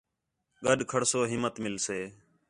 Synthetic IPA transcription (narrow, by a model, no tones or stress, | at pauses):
ɠəɗkʰəɽsoːɦɪmːət̪mɪlseː